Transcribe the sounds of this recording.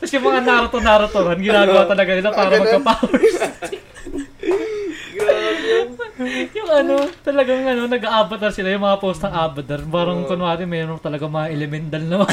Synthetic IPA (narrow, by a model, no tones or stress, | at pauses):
k̪ɐsjʊŋmɐŋanaːɾɐt̪onaːɾɐt̪oɾɐnɡɪnaːɡɐwat̪ɐlɐɡanɪlapaːɾɐmɐɡ̚pɐpaːws | jʊŋɐno̞t̪ɐlɐɡaŋʔɐno̞nɐɡɐʔaːbɐt̪ɐnsɪlajʊŋmɐŋapowst̪nɐŋʔaːbɐd̪ɐɾpaːɾɐŋkonaːd̪ɪnmɛːɾoŋt̪ɐlɐɡaŋmɐŋaʔɛlɛmɛnt̪ɐlnɐmɐ